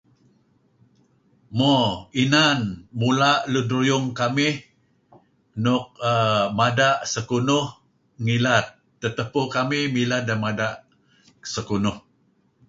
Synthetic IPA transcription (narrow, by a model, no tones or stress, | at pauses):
moinanmulaʔludɾujʊŋkamih | nʊk̚əmadaʔsəkunʊh | ŋilat̪ːət̪əpukamihmilat̚dəmadaʔ | səkunʊh